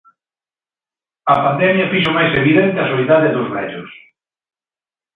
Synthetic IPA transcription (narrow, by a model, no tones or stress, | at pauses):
ɐpand̪ɛmjɐfiʃ̬ʊmajseβiðɛnt̪ɪɐsoiðaðɪðʊzβɛʎʊs